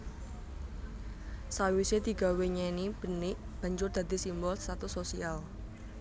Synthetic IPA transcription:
sawised̪̥i̤ɡ̥a̤weɲɛnib̥ənɪʔ | b̥ä̤ɲd͡ʒʊrd̪̥a̤d̪isimbɔlst̪at̪usosial

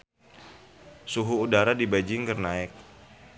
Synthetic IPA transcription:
suɦuːdaɾadibad͡ʒɪŋkərnaɪk̚

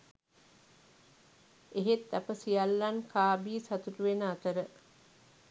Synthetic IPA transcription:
eɦet̪ːɐpəsijalːankʰaːbiːsat̪uʈuʋenəat̪əɾə

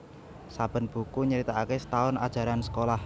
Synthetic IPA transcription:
sab̥ə̤nb̥ṳkuɲəɾit̪aakesə̥t̪aʊna̰d̥ʒ̥a̤ɾansə̥kolah

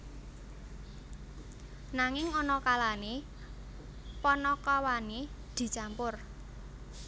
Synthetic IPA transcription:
naŋɪŋɔnɔkalane | pɔnɔkawanid̪̥i̤t͡ʃampʊr

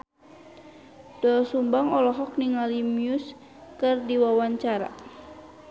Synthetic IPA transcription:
d̥ɔlsumbaŋɔlɔɦɔk̚niŋalimius | kɨrdiwawaɲt͡ʃaɾa̰

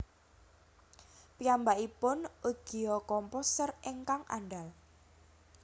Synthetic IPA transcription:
piambaʔipʊnuɡ̥iɔkɔmposəreŋkaŋʔa̰nɖal

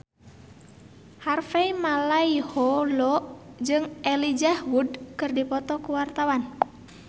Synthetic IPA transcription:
harfeimalaihɔlɔʔd͡ʒɨŋʔɛlid͡ʒahwudkɨrdipɔt̪ɔkuwart̪awan

